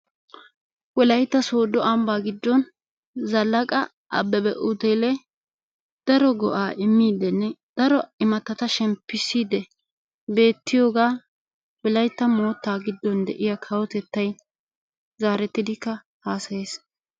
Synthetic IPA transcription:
wɔlɐjt̪ːɐso̞ːd̪ɔʔɐmbaːɡɪd̪ːɔn | zɐlːɐkʼɐ | ʔɐ̰bːɛbɛ̰ʔʊt̪ɛlɛ | d̪̥ɐɾɔɡɔ̰ʔaːʔɪmːiːd̪ɛnːɛd̪̥ɐɾɔɪmɐt̪ːɐt̪ɐʃɛmpːɪsiːd̪ɛ | be̞ːt̪ːɪjoːɡaː | wɔlɐjt̪ːɐmo̞ːt̪ːaːɡɪd̪ːɔnd̪ɛʔɪjakʰɐwɔt̪ɛt̪ːɐj | zaːɾɛt̪ːɪd̪ɪkːɐ | haːsɐjeːs

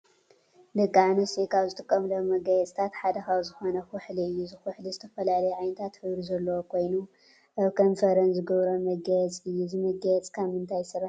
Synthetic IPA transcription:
d̪ɐkʼːaʕnɐsekʰawzɨt̪ʼɨkʼːɐmlowmɐɡɐjɛt͡sʼt̪ʰat̪ħad̪ɐxawzɨxo̞nɐxʊħliɨjːuzɨxʊħlizɨt̪ʰɐfɐlalɐjɛʕajnɐt̪ʰat̪ħɨβɾizɐlːɐwokʰo̞jnu | ʔaβkʰonfɐɾɐnzɨɡɐβɾomɐɡɐjɛt͡sʼɨjːuzɨmɐɡɐjɛt͡sʼkʰaβmɨnt̪ʰajsɐɾaħ

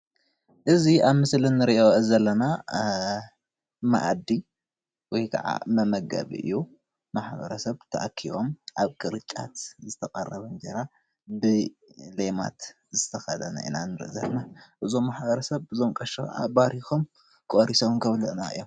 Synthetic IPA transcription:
ʔɨziaβmɨslɨnːɨɾiʔoʔzɐlːɐna | ma̰ʔad̪i | wɔjkʰɐ̰ʕa̰mɐmɐɡa̰βḭʔɨ̰jːu | maħbɐ̰ɾɐsɐβt̪ʰɐʔakʰiβomʔaβkʼɨɾɨt͡ʃʼa̰t̪zɨt̪ʰɐkʼɐrːɐβɐnd͡ʒeɾa | bɨlema̰t̪ | zɨt̪ʰɐxɐd̪ɐna̰ʔɨ̰nanɨɾɨ̰ʔzɐβnaʔɨzomːaħbɐɾɐsɐβɨzomkʼɐʃɐkʰʕʔa̰baɾixom | kʼoɾisownkʰɐβlɨʔnaɨ̰jːom

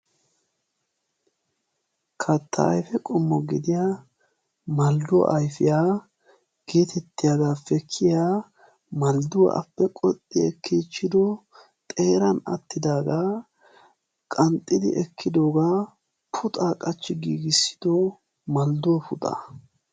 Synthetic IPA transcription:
kʰɐt̪ʰːɐ̰ːjfɛkʼɔmːɔɡɪd̪ɪja | mɐld̪ʊ̰ʔɐjfɪjaː | ɡ̥e̞ːt̪ʰɛt̪ːɪjaːɡaːfɛkʰːɪjaː | mɐld̪ʊwɐ̰ʔɐ̰pːɛkʼɔt̪ʼːɪɛkʰːiːt͡ʃːɪd̪ɔ | t̪ʼe̞ːɾɐnɐ̰t̪ːɪd̪aːɡaː | kʼɐnt̪ʼːɪd̪ɪ̰ʔɛkʰːɪd̪o̞ːɡaː | pʰʊt̪ʼaːkʼɐt͡ʃːɪɡiːɡɪsːɪ̥d̪̥ɔ | mɐld̪ʊɔpʊt̪ʼɐ̰

